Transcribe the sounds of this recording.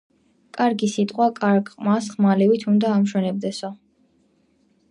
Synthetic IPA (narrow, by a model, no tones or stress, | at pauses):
kʼaɾɡisit̪ʼqʼwakʼaɾɡʼqʼmasχmalɛvit̪ʰund̪aːmʃwɛnɛb̚d̪ɛsɔ